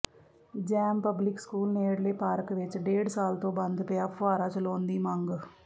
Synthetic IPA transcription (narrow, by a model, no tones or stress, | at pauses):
d͡ʒɛːmpɐblɪkskuːlneːɽleːpaːɾkʋɪt͡ʃɖeːɽsaːlt̪õːbɐnd̪pɐjaːpʰaːɾaːt͡ʃɐloːnd̪iːmɐ̃ŋɡ